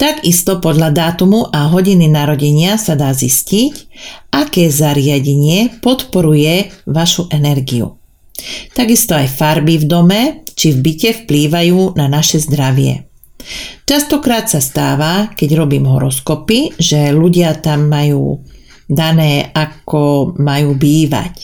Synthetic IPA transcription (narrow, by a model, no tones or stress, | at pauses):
t̪aɡist̪ɔpɔd̪ʎad̪aːt̪umuʔaɦɔɟininaɾɔɟɛɲɪasad̪aːziscicʔakɛːzaɾɪaɟɛɲɪɛpɔt̪pɔɾujɛʋaʃuʔɛnɛɾɡiṵ | t̪aɡist̪ɔajfaɾbivd̪ɔmɛt͡ʃivbicɛfpliːʋajuːnanaʃɛzd̪ɾaʋɪɛ̰ | t͡ʃast̪ɔkɾaːt̪sast̪aːʋakɛɟɾɔbiːmɦɔ̰ɾɔskɔpiʒɛluɟɪat̪amːajṵː | d̪anɛːakɔmajuːbiːʋa̰c